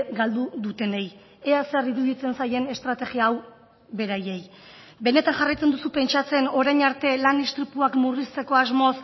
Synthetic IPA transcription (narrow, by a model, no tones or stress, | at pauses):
ɡald̪uðut̪e̞nej | e̞aseriɾuðit͡se̞nsaje̞ne̞st̪ɾat̪e̞ɣiaːw | βe̞ɾaje̞j | be̞ne̞t̪anʝarajt͡se̞nd̪usupe̞nt͡ʃat͡se̞no̞ɾajɲaɾt̪e̞lanist̪ɾit̪uakmurist͡s̪e̞ko̞azmo̞s